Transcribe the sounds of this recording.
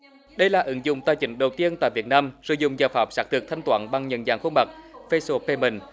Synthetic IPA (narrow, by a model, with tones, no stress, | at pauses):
ɗə˧jlaː˨˩ʔɨ˨˦ŋzʊ̰˧˨ŋ͡mt̪aː˧˩jt͡ɕï˨˦ŋ̟ɗə˨˩wt̪i˧ənt̪a̰ː˧˨jvi˨˩ət̚naː˧msə̰˧˦jzʊ̰˧˨ŋ͡mzaː˨˩faː˨˩p̚saː˨˥t̪ʰɨ˨˩ət̪ʰa˧jŋ̟t̪waː˨˦nɓa˨˩ŋɲə̰˨nzaː˨˩ŋxo˧ŋ͡mɓa˨˩k̚fe˧so˧pe˧mi˨˩ŋ